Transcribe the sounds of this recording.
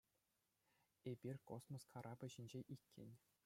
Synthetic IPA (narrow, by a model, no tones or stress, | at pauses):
ebʲirʲkosmoskʰɑɾʔɑbɘ̆ʑinʲd͡ʑeʔikʲːḛ̆nʲ